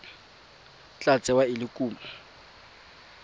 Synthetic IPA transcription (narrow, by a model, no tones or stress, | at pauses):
t͡ɬʼat͡sʼɛwaɪlɪkʼuːmɔ